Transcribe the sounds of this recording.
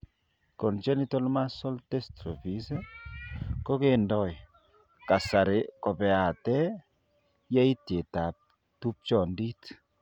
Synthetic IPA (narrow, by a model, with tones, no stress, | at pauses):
kɔ˨nt͡ʃɛ˦ni˦tɔ˦lma˦sɔ˦lte˦stɾo˨fi˨˦se | ko˦ke˨ndɔ˦j | ka˨sa˨ɾe˨kɔ˨pɛ˨a˨tɛ˦ | ja˦i˦tje˨ta˨p̚ | tu˦p̚t͡ʃɔ˨ndi˦t